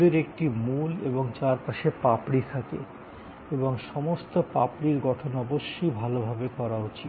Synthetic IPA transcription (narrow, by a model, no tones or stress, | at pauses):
eɾek̚ʈimulḛboŋt͡ɕaɾpaʃepapɽit̪ʰak̪ḛ | eboŋʃɔmost̪opapɽiɾɡɔʈʰonɔboʃːojbʱalobʱabekɔɾaot͡ɕi